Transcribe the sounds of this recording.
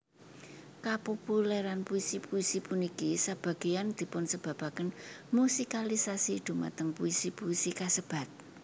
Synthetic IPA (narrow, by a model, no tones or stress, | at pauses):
kapopulɛɾanpuisipuisipunikisab̥ä̤ɡ̥e̤jand̪̥i̤pʊnsəb̥ä̤b̥akənmusikalisasid̪̥ṳma̰t̪əŋpuisipuisikasəb̥a̤t̪̚